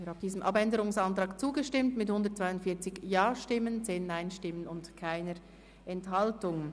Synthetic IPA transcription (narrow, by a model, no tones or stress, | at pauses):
ɾaf̚d̥iːzəmʔɑpɛndəɾʊŋsɑntɾɑːkt͡suːɡəʃtɪmtmɪthʊndətt͡sv̥aɪʊntfiːɐt͡sɪçjaːʃtɪmənt͡seːnːaɪnʃtɪmənʊntkʰaɪnəɾ | ʔɛnthɑltʊŋ